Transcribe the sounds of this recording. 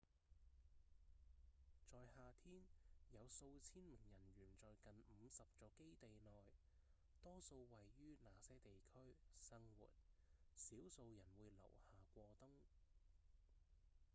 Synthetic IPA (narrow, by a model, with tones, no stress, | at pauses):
t͡sɔː˨˧jhaː˨˧t̪ʰiː˥njɐ˨˧wso˧wt͡sʰiː˥nmɪ˨˩ŋjɐ˨˩nɥyː˨˩nt͡sɔː˨jkɐ˨nm̩˨˧sɐ˨p̚t͡sɔː˨˧ke˥jt̪e˨jnɔː˨j | t̪ɔː˥so˧wwɐ˨jːyː˥naː˨˩sɛː˥t̪e˨jkʰɵ˥ɥsɐ˥ŋwṵː˨˩t̚siː˨˥wso˧wjɐ˨˩nwuː˨˧jlɐ̰˨˩whaː˨kʷɔː˧t̪ʊ˥ŋ